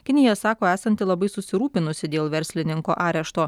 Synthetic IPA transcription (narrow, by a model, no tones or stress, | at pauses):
kʲɪnʲɪjɛsɑːkoːæːsɐnʲt̪ʲɪlˠɐbɐɪsʊsʲɪɾuːpʲɪnʊsʲɪd̪ʲeːlˠʋʲɛɾʲsʲlʲɪnʲɪŋkoːʔɑːɾʲɛʃt̪oː